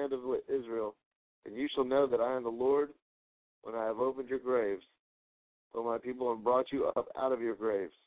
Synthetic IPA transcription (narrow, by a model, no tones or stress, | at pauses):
æ̃ndʌvʔɪzɹil̩ˠ | ʔɨ̰̃njɨʃəl̩ˠnoʊðɨɾaɪɨ̃mðəlɔɹd̚ | wʔə̃naɪɨvoʊpɨ̃nd͡ʒjə˞ɡɹeɪvz̥ | əlˠmaɪpipl̩ˠəvbɹɔt͡ʃɨʌ̰pa̰ʊɾʌvjə˞ɡɹeɪvz̥